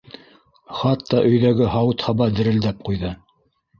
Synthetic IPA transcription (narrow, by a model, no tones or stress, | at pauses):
χɑt̪ːɑʔɵ̆jðæɡɘɦɑwɤt̪hɑβɑd̪ɘ̆ɾɘ̆ld̪æp̚qujðɤ